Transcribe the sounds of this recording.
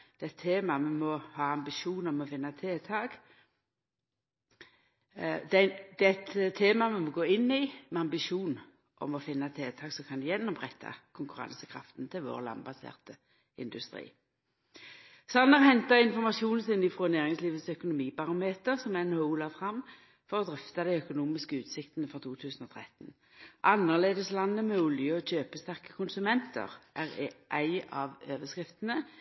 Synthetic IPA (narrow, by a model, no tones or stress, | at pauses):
d̪̥ɛt̪ʰːeːmɑmɛmɔhɑːɑmbɪʃuːnɔmɔfɪnːɑt̪ʰeːt̪ʰɑːɡ | d̪ɛd̪̥ɛt̪ʰːeːmɑmɛmɔɡoːɪnːɪmɛɑmbɪʃuːn | ʔɔ̰mɔfɪnːɑt̪ʰeːt̪ʰɑːɡsɔkʰɑnd̪ʉjɛnːɔmʁɛt̪ʰːɑ̰kʰʊŋkʉʁɑ̰ŋsəkʰɾɑft̪n̩t̪ʰɪlʋo̰ːʁlɑ̰nbɑsḛːʁt̪ə | ɪ̰nd̪ʉst̪ʁḭː | sɑnːɑʁɦɛnt̪ɑɪnfɔʁmɑsuːnsɪnɪfʁɔnæːʁɪŋsliːʋət̪sœkʊnʊmiːpɑʁʊmeːt̪əʁsɔmænhɔʊlɑfʁɑmː | fɔʁɔd̪ʁɪft̪ɑd̪æɪœkʊnuːmɪskəʉːt̪sɪkt̪ənəfɔʁt̪ʰuːt̪ʰʉːsn̩ɔːt̪ʰʁɛt̪n | ʔɑnːəʁleːd̪əslɑnːəmɛʊljəɔɕøːpəst̪æʁkə̥kʰʊnsʉmɛnt̪ʰə̰ʁʔæʁʔæɪɑʋøːʋəskʁɪft̪ənə